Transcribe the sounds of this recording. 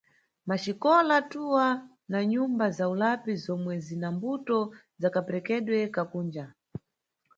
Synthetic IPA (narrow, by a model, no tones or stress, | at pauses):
maʃikɔlatuwa | naɲumbazaulapizɔmwɛzinambutɔ | zakapɛɾɛkɛɗwɛkakuːnd͡ʒa